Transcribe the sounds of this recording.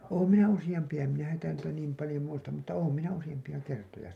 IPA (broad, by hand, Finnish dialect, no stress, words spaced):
oːm minæ usij̆ɑmpiɑ em minæ hæntæ niːtæ niːm pɑlĭjo muistɑm mutːɑ oːm minæ usijɑmpiɑ kertojɑ